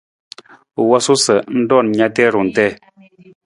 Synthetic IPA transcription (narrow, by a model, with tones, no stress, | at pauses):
wa˦su˦sə˨n̩˦dɔ˦˨n˨ɲa˦tɛ˦˨ɾu˨n̩˨tɛ˦˨